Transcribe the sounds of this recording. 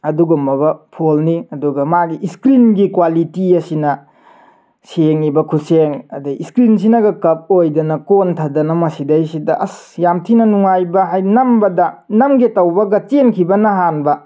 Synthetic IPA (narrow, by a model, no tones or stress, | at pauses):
ɐduɡombɐbɐpʰolniɐduɡɐmaɡiʔiskɾinɡikwalitiɐsinɐ | seŋibɐkʰuseŋɐ̰diiskɾins̬inɐɡɐkɐp̚ojdɐnɐkontʰadɐnɐmɐsidɐjsidɐʔɐsjamtʰinɐnuŋajbɐɦajnɐmbɐdɐnɐmɡetɐwbɐɡɐt͡ʃenkʰibɐnɐɦanbɐ